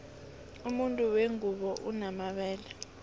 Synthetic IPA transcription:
umuntʼuweŋuɓɔʔunamaɓɛːlɛ

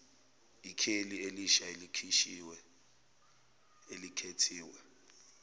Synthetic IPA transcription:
ikʰelieliʃaelikʰiʃiwɛ | elikʰetʰiːwɛ

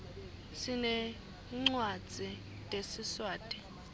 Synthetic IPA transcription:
sinɛ | ŋ͡ǀwad̥d͡z̥ʱi | tʼesiswaːtʼi̥

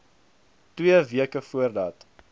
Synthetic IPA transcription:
twiəviəkəfuərdɐt

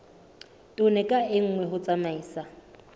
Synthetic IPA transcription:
tʼʊnɛkʼaɪŋ̩ŋwɛɦʊt͡sʼamaiːsa

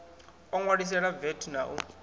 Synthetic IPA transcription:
ɔŋwaɺis̬ɛɺavɛtʰunaʔu

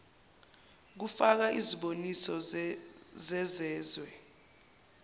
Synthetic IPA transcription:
k̬ufak̬aʔiziɓonisɔ | zɛzɛːzwɛ

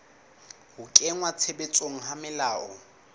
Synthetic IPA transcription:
hʊkʼeŋwat͡sʰebet͡sʼoŋ̩ɦamɪlaːɔ̰

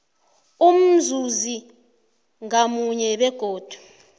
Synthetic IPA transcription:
um̩zuzi | ŋamuɲɛɓɛɡ̥ʱoːd̥ʱu̥

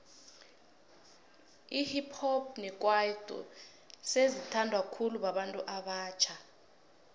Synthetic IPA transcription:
ihipʰhɔb̚nɛk̬ʼwaid̥ʱṵ | sezitʰandʱwakʰuluɓaɓantʼuʔaɓaːt͡ʃʰa

